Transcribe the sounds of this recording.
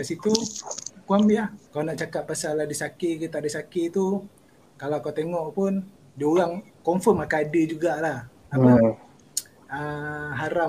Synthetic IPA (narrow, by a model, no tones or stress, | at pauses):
dasit̪ukuamjakalanaʔt͡ʃakat̪̚pasalahdisakikit̪aʔdisakit̪u | kalakat̪eŋɔʔpʊn | doɣaŋkɔmfɔrmakaadəd͡ʒuɡaʔlah | aa | əɦaɾa